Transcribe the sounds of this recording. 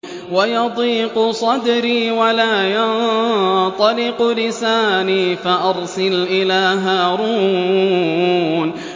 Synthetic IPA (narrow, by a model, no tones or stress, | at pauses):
wajɑd̪ˤiːqʊsˤɑd̪ɾiːwalaːjɑn | t̪ˤɑlɪqlɪsaːniːfaʔɑɾˤsɪlʔɪlaːɦaːɾuː | n